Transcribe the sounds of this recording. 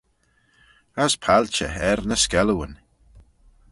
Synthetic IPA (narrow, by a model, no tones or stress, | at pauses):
əspʰalt͡ʃə̰ɛɾnəskɛləwən